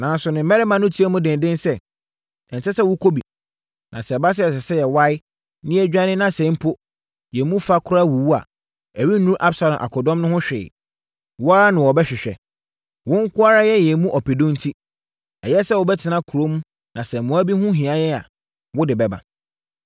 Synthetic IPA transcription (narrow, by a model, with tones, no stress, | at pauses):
nã˨n˦sʊ˨nʊ̃˨˦mɛ˦ɾɪ˦mã˨nʊ̃˦tʰi˦ɛ˦mũ˦dɪ̃˨n˨dɪ̃˦nsɛ˦ | ɛ̃˨n˨sɛ˦sɛ˦wʊ˦kʰo˦bi˨ | nʔã̰˨sɛ˨ba˦s̬ɪ˦ɛ˨s̬ɛ˨sɛ˦jɛ˨wa˦ɪ˦ | nɪ̃˦æ˦d͡ʑᶣa˦nɪ̃˦nã˦sɛ̃˨˦m˦pʰʊ˦ | jɛ˨mũ˦fa˦kʰʊ˦ɾa˦wu˨wu˦a̰˨ | æ˨ɥi˦nũ˦ʔa˦bsa˨lɔ̃˨mʔa̰˨kʰɔ˨dɔ̃˦mnʊ̃˦hʊ̃˦ɕᶣɪ̰ː˨ | wʊ˦a˦a˦nʊ̃˨wɔ˨bɛ˦ɕᶣɪ˨ɕᶣɛ̰˨ | wʊ̃˦ŋ̩˦kʰʊ˦a˦ɾa˦jɛ˦jɛ˨˦mũ˦ʔɔ˨pʰe˨dõ˦n̩˦tʰi˦ | ɛ̰˨jɛ˦sɛ˦wʊ˨bɛ˦tʰɪ˨nã˦kʰu˨ɾo˦mũ˦ | nã˨sɛ̃˨m˨mũ˨˦æ˦bi˦hʊ̃˦ɦĩ˨a˦jɛ˦a̰˨ | wʊ˦dɪ˨bɛ˨ba̰˨